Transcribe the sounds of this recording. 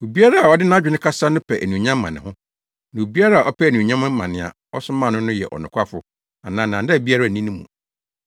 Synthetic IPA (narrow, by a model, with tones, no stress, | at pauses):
o˨bi˦a˦ɾa˦a˨ɔ˦dɪ˦nã˦d͡ʑᶣɪ˨nɪ̃˦kʰa˦sa˦nʊ̃˦pʰɛ˨ʔæ˨nũ˨ɲã˦mː˦ã̰˨nɪ̃˨hʊ̃˦ | nã˨o˨bi˦a˦ɾa˦a˨ʔɔ˦pʰɛ˦˨nũ˨ɲã˦m̃˦mã̰˨nɪ̃˨a̰˨ | ɔ˦sʊ˦mã˦˨nʊ̃˦nʊ̃˦jɛ̰˨ʔɔ̰˨nʊ̃˨kʰʷa˦fʊ˦ | a˨nãː˨nã˨nda˦˨bi˦a˦ɾa˦˨nĩ˦nũ˦mṵ̃˨